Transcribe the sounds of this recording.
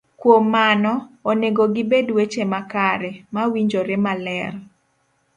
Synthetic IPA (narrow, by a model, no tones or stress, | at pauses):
kwomːanɔoneɡoɡɪbedwet͡ʃemakaɾɛmawiɲd͡ʒoɾemalɛr